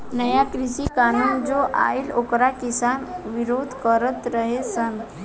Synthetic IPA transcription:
nəjakɾisikanuːnd͡zoʔa̰ilokɾakisanʋiɾod̪ʱkəɾət̪ɾəɦesən

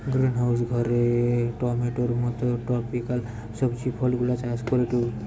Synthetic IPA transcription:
ɡɾinɦawsɡʱɔɾeʈɔmeʈɔɾmɔt̪ɔʈɾɔpikal | sɔbt͡ʃipʰɔlɡulat͡ʃaskɔɾeʈu

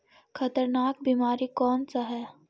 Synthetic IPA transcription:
xʰɐt̪əɾnaːk̚biːmaːɾikɔːnsaɦɛː

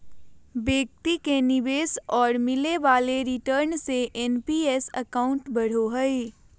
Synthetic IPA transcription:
beːk̚t̪ikenɪʋeːsɔːɾmɪleʋaːleɾɪʈəɾnseʔenpiesə̰kaːʊ̃ɳʈbəɽ̤oɦəɪ

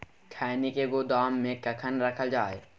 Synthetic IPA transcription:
kʰɛːnikeɡod̪aːmːẽkɐkʰənɾəkʰəld͡ʒaːe

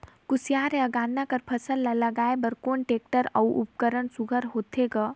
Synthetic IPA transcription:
kusijaɾeəɡaːnːakəɾpʰəsəlːaləɡaebəɾkoːnʈeːk̚ʈəɾə̰wʔṵp̚kəɾənsuɡʱəɾɦoːt̪ʰeɡa

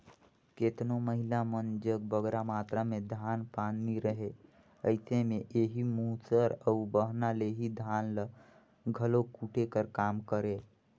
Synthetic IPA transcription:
keːt̪noməɦɪlamənd͡ʒəkbəɡɾamaːt̪ɾamẽd̪ʱaːnpaːnːiɾəɦe | əɪsemẽʔeːɦimuːsəɾəʊbəɦnaleɦid̪ʱaːnlə | ɡʱəlokuʈʰekəɾkaːmkəɾẽː

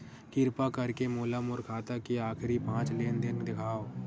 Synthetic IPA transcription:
kɪɾpakɐɾkemoːlamʊɾkʰaːt̪akiaːxɾipãːt͡ʃleːnd̪ɪnd̪ɪkʰaːo

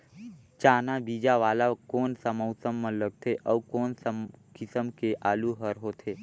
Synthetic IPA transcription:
t͡ʃaːnabiːd͡ʒaʋaːlakoːnsəmɔʊsəmːə̃ləɡ̚t̪ʰeʔɔːkoːnsəmkɪsəmkeʔʔaːluɦəɾɦoːt̪ʰeː

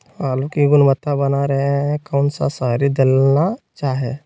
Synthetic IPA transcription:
aːlukiɡʊnmət̪ːabənaɾɐɦeɦɛ̃kəʊnsa̰saːɾid̪ɪlnat͡ʃaːɦe

